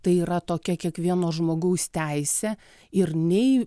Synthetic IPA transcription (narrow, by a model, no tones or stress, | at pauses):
t̪ɐɪiːɾɐt̪oːkʲɛkʲiɛkʋʲiɛnoːʒmoːɡɐʊst̪ʲæɪsʲɛ | ɪrnʲɛɪ